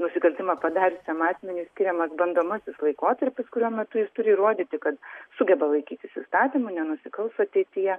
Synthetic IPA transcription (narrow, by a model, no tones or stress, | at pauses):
nʊsʲɪkɐlʲt̪ʲɪmɐpɐd̪ɑːɾʲɪsʲɛmɑːsʲmʲɛnʲusʲkʲɪɾʲɛmɐsbɐnd̪oːmɐsʲɪslˠɐɪkoːt̪ɐɾʲpʲɪskʊɾʲuːmʲɛt̪ʊjɪst̪ʊɾʲɪiɾoːd̪ʲiːt̪ʲɪkɐt̪sʊɡʲɛbɐlˠɐɪkʲiːt̪ʲɪsɪ̰st̪ɑːt̪ʲimʊnʲɛnʊsʲɪkɐlˠst̪ɐɐt̪ʲɛɪt̪ʲɪjɛ